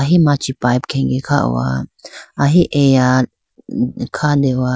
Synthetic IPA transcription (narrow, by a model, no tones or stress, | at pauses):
aɦimat͡ʃipajb̚kʰɛ̃ŋɡekʰa̰ʔwa̰aɦiʔeja | kʰad̪ewa